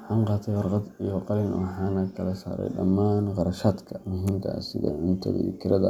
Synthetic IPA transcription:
wħɑːɴqɑːt̪ʰɛjwɑrqɑd̪ijɔqɑlɪnwʔɑħɑːnɐkʰɐlɐsa̰ːɾɛ̰jɖɐmːaːnqɑɾɐʃaːd̪kʰɐmʊɦiːmk̪ʰɐ̰sɪðɔ̰ʕʊnt̪ʰɐ̰ðɐ̰kʰɪɾɐðɐ

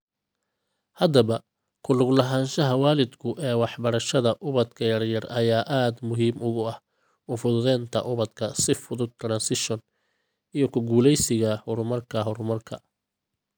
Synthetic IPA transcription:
hɐd̪ɐβɐ | kʰʊlʊɡlɐɦaːnʃɐɦɐwaːlɪd̪kʰʊʔɛːwɑħbɐɾɐʃɐðɐʔʊβɐd̪kʰɐjɐrjɐrʔɐjaːʔaːd̪mʊɦiːmʊɣʊɐh | ʊfʊðʊðɛːnt̪ʰɐ̰ʔʊβɐd̪kʰɐsɪfʊðʊd̪̚t̪ʰɾɐnsɪʃɔn | ijɞkʰʊɡuːlɛjsɪɣɐhɔɾmɐrkʰɐɦɔrmɐrkʰɐ

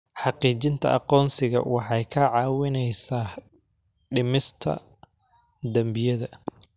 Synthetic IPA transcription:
ħɑqiːt͡ʃɪnt̪ʰɐ̰ʔɑqɔːnsɪɣɐ̰wɑħɑjkʰɐʕɑːwɪnɛjsaːh | ɖɪmɪst̪ʰɐ̰ | d̪ɐmbɪjɐðɐ

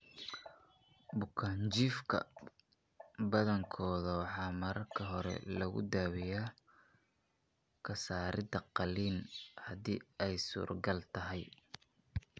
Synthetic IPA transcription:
bʊkʰaːnt͡ʃiːfkʰɐ̰ | bɐðɐŋkʰɔːðɐwɑħɑːmɐɾɐrkʰɐɦɔɾɛ̰lɐɣʊ̰d̪aːwɪjaː | kʰɐsaːɾʔɪd̪ɐqɑliːnhɐd̪iːɛjsṵːrɡɐlt̪ʰɐɦɛj

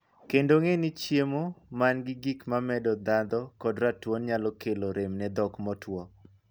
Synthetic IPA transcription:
kendoŋenit͡ʃjemomanɡɪɡikmamɛdɔd̪ad̪ɔkɔdratwɔnɲalɔkeloɾemnɛd̪ɔkmɔtwɔ

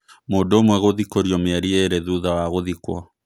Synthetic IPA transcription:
moːndoːmwɛɣoðikoɾijɔmeaɾieɾeðuðawaɣoðikwɔ̰

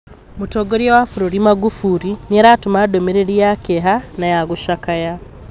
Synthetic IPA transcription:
mutoɡoɾiowafuɾoɾimaɡufuɾiɲeɾatumadomeɾeɾijakeɦanajaɣuʃakaja

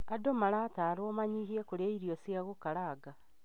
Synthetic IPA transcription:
adomaɾaːtaːɾwomaɲiːɦiekuɾeiɾiosjaɣokaɾaɡa

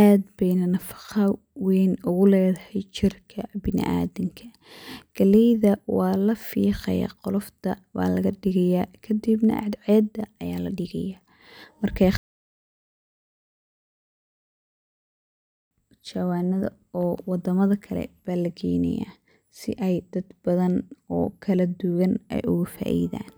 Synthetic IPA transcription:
aːd̪bɛjnɐnɐfɑ̥qɐ | wɛnʔʊɣʊlɛːðɐhɛjt͡ʃɪrkʰɐbɪnɪ̰ʔa̰ːðɐŋkʰɐ | ɡ̥ɐlɛjðɐwɑːlɐfiːqɑ̰ja̰qʊlʊft̪ʰɐ̰wa̰ːlɐɣɐɖɪɣɐjakʰɐd̪ibnɐ̰ʕɪd̪ʕɛːd̪ːɐɐjaːlɐ̰ɖɪɣɐ̰ja | mɐrkʰɐ | t͡ʃawaːnɐðɐ̰ | ɔːwɑd̪ɐmɐðɐkʰɐlɛ̰baːlɐɡɛjnɐ̰ja̰ː | sɪ̰ʔɛjd̪̥ɐd̪bɐðɐnɔːkʰɐlɐd̪uɣɐnɛ̰jʔʊɣʊfa̰ːʔḭːða̰ːn

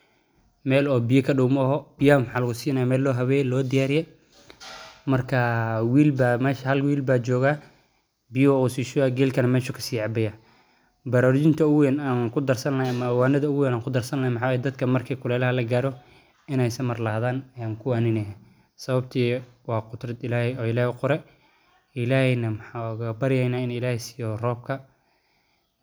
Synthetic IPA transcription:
mɛːlɔːbɪjɐkʰɐɗɔwmɐɔɦɔb̥ɪjɐɐmɑħaːlɐɣʊsiːnɐjaːmɛːlːɔːɦɐβɛjlɔːd̪ɪjaːɾɪjɛ | mɐrkʰɐwiːlbaːmɛːʃhɐlwiːlbaːd͡ʒɔːɣaː | bɪjɔɔːsiːʃʊaɡɛːlkʰɐnɐmɛːʃʊkʰɐ̥siːʕɑbɛjaː | bɐɾɔːɾd͡ʒɪnt̪ʰɐʊɣʊjɐnaːnkʰʊd̪ɐrsɐnɐjɐmɐɐwaːnɐðɐʊɣʊwjɐnaːŋkʰʊd̪ɐrsɐnlːɐɪmɑħaːwaːjɛd̪ɐd̪kʰɐmɐrkʰiːkʰʊlɛːlɐɦɐlɐɡaːɾɔ | ɪnɛjsɐmɐrlaːðaːnɐjaːŋkʰʊwaːnɪnɐja | sɐβɐb̚t̪ʰiːwɑːqʊd̪rɐd̪ɪlaːhɪɔːɪlaːhqɔɾɛ | ɪlaːhɛnɐmħaːɔɣɐbɐɾɪjɛjnaːɪnɪlaːhɪsijɔrɔːb̚kʰɐ

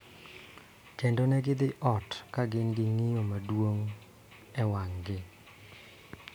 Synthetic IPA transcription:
kɛndonɛɡɪd̪ɪʔɔtkaɡɪnɡɪŋijomadwoŋ | ɛwaŋɡɪ

